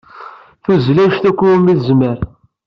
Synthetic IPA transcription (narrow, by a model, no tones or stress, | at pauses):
θuzlæʃt̪ækʷːumiθzməɾ